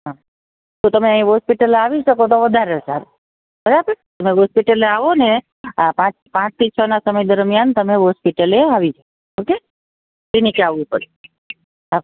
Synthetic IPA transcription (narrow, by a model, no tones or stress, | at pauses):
ɦã | t̪ut̪əmeəɦĩɦɔspiʈəleaʋiʃəkot̪oʋəd̪ʱaɾesa̰ɾ | bəɾabəɾt̪əmeɦospiʈəleaʋone | pãt͡ʃpãt͡ʃt̪ʰit͡ʃʰənasəməjd̪əɾmijant̪əmeɦɔspiʈəleaʋiʃəko | oke | tinikaʋipəɾi | a